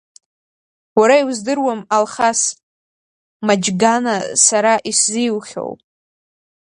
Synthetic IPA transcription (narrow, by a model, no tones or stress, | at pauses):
waɾaiwzdɨrwamalχas | mad͡ʒɡanasaɾaʔisziwχʲo̰wpʼ